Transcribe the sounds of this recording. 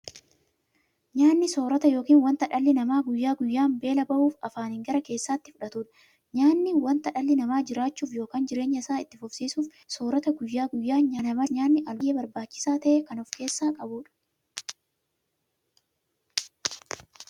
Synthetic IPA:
ɲaːnːɪso̞ːɾɐt̪ɐjo̞ːkiːnwɐnt̪ɐᶑɐlːɪnɐmaːɡʊjːaːɡʊjːaːmbe̞ːlɐbɐʔuːfɐ̰faːnhɪŋɡɐɾɐke̞ːsːaːt̪ːɪfʊᶑɐt̪uːᶑɐ̥ | ɲaːnːɪwɐnt̪ɐᶑɐlːɪnɐmaːd͡ʒɪɾaːt͡ʃːuːfjo̞ːkaːnd͡ʒɪɾe̞ːɲːɐɪsaːɪt̪ːɪfʊfsiːsuːf | so̞ːɾɐt̪ɐɡʊjːaːɡʊjːaːɲaːnɐmɐɲaːnːɪʔɐlɡeːbɐɾbaːt͡ʃːɪ̥saːt̪ɐʔekɐnɔfke̞ːsːaːkʼɐbuːᶑɐ̥

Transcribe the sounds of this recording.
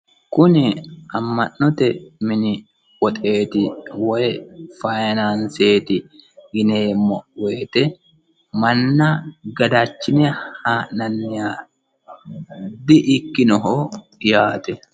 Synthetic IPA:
kʊnɪɐmːɐnːɔt̪ɛmɪnɪ | wɔt̪ʼe̞ːt̪ɪwɔjfajnanse̞ːt̪ɪɡɪneːmːɔʔwe̞ːt̪ɛ | mɐnːɐɡɐd̪aːt͡ʃːɪnɛhaːnɐnːɪjaː | d̪ɪʔɪkːɪnɔɦoː | jaːt̪ɛ

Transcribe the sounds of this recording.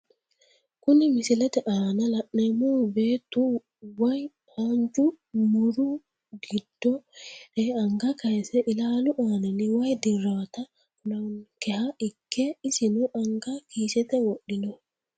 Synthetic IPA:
kunimisilɛtɛʔaːnalaɗnɛmɔbɛtu | waj | haɲd͡ʒu | muɾu | ɡidːɔʔɛaŋɡakajsɛʔilaluʔananiwajdiɾata | kunankɛhaʔikːɛisinɔʔaŋɡakisɛtɛwoɗːinɔ

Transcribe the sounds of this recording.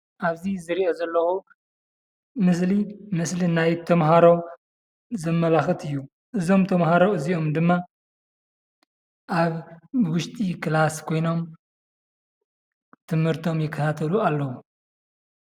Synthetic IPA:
ʔaβzizɨɾiʔozɐlːɐxu | mɨs̬limɨslinajt̪ʰɐmɦaɾo̞ | zɐmːɐlaxɨt̪ʰɨjːu | ʔɨzo̞mt̪ʰɐmɦaɾoɨziʔo̞md̪ɨmːa | ʔaβwʊʃt̪ʼikɨlaskʰo̞jno̞m | t̪ʰɨmhɨɾt̪ʰo̞mjɪkʰːɐt̪ʰat̪ʰɐlualːɐwu

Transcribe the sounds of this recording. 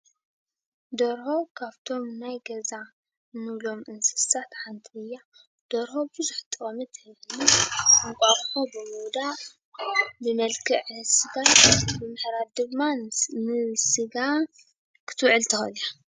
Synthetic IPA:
d̪oɾhokʰaβt̪ʰo̞mnajɡɐza | nɨβlo̞mʔɨnsɨ̥sat̪ħant̪ʰiɨjːa | d̪̥oɾhobɨzuħɨt̪ʼːɨxʼɐmɨt̪ʰɐɨnunkʷʼaɾħobɨmud̪a | bɨmɐlkʰɨʕsɨɡabɨmɨħɾad̪ɨmannɨsɨɡa | kʰɨ̥t̪ʰɨwʕɨlt̪ʰɐxɐ̰lja

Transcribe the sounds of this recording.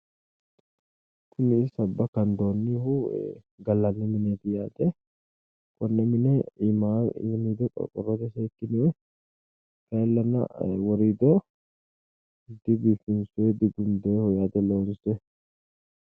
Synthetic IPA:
kʊnɪsɐbːɐkɐnd̪oːnːɪhʊ | ɡɐlːɐnːɛmɪnɛt̪ɪjaːd̪ɛ | kʼɔnːɛmɪnɛma̰mid̪ɔkʼɔ̰kʼɔ̰rːɔt̪ɛsɛːkːɪnɪɛ | kɐlːɐnɐ̰wɔɾiːd̪ɔ | ɪd̪ːɪbiːfɪnsʊɛd̪ɪɡʊnd̪ɛhɔjaːd̪ɛloːnsɛ

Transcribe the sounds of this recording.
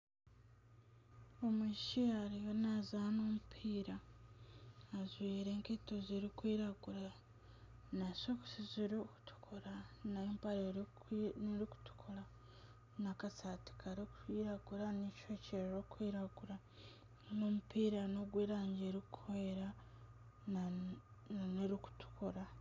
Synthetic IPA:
omiʃiaɾijonazanoːmupʰiːɾa | zwiːɾe̞ːŋketoziɾikwiːɾaɡuɾa | nasoku̥siziɾku̥tʰu̥kʰuɾanampaɾe | niɾiku̥tu̥kʰuɾa | nakasati̥kʰaɾiku̥iːɾaɡuɾanit͡ʃoceɾɾokwiːɾaɡuɾa | nomupiːɾano̞ɡweːɾaːɲɟeɾikweɾa | nneɾiku̥tʰu̥koɾa

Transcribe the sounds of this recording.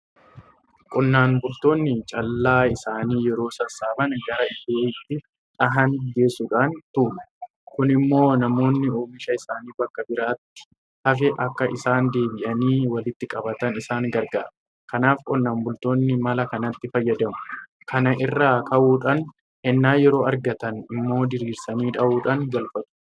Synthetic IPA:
kʼʊnːaːnbʊlt̪o̞ːnːɪt͡ʃʼɐlːaːɪsaːniːjɛɾo̞ːsɐsaːbɐnɡɐɾɐɪdeːɪt̪ːɪ | ᶑɐɦɐnɡe̞ːsʊᶑaːnt̪ʊmɛ̥ | kʊnɪmːo̞ːnɐmo̞ːnːɪoːmɪʃɐɪsaːniːbɐkːɐbɪɾaːt̪ːɪ̥ | hɐf̬ɛʔɐkːɐʔɪ̰saːnd̪e̞ːbɪʔɐniːwɐlɪt̪ːɪkʼɐbɐt̪ɐnɪsaːŋɡɐɾɡaːɾɐ | kɐnaːfkʼɔnːaːmbʊlt̪o̞ːnːɪmɐlɐkɐnɐt̪ːɪfɐjːɐd̪ɐmʊ̥ | kʰɐnɐʔɪrːaːkʰɐʔuːᶑɐn | hɛnːaːjɛɾo̞ːɐɾɡɐt̪ɐnɪmːo̞ːd̪ɪɾiːɾsɐniːᶑɐʔuːᶑaŋɡɐlfɐt̪ʊ̥

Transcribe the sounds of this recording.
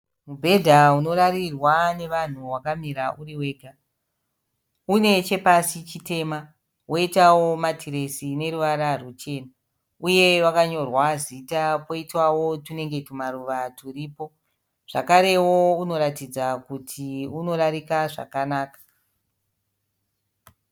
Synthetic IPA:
mubʱe̞dʱauno̞ɾaɾirwane̞ʋan̤uwakamiɾauriwe̞ːɡʱa | une̞t͡ʃe̞pasit͡ʃite̞ːma | wo̞itawo̞matʰiɾe̞sine̞ɾuʋaɾarut͡ʃe̞ːna | uje̞ʋakaɲo̞rwazitapo̞itwawo̞tune̞ŋɡe̞tumaɾuʋaturiːpo̞ | ʐ̥a̰kaɾe̞wouno̞ɾatid͡zakutʰiuno̞ɾaɾikaʐa̰kanaːkḁ

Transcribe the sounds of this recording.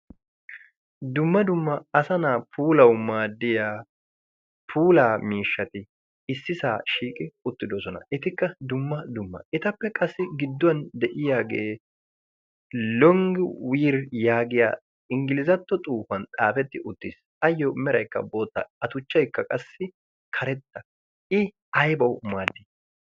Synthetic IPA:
d̪ʊmːɐd̪ʊmːɐɐsɐnaːpʰuːlɐwmaːd̪ɪjaː | pʰuːlaːmiːʃːɐt̪ɪ | ɪsːɪsaːʃiːkʼɪʊt̪ːɪd̪ɔsɔnɐ̰ʔɛt̪ɪkːɐd̪ʊmːɐd̪ʊmːɐ̰ʔɛt̪ɐpːɛkʼɐsːɪɡɪd̪ːɔɐnd̪ɛʔɪjaːɡeː | lɔŋɡɪwiːɾjaːɡɪja̰ː | ɪŋɡɪlɪzɐt̪ːɔt̪ʼuːfɐnt̪ʼaːfɛt̪ːɪʔʊt̪ːɪs | ɐjːɔmɛɾɐjkːɐ̰bo̞ːt̪ːɐ̰ɐt̪ʊt͡ʃːɐjkːɐkʼɐsːɪ | kʰɐɾɛt̪ːɐ | ɪ | ɐjbɐwmaːd̪ːɪ

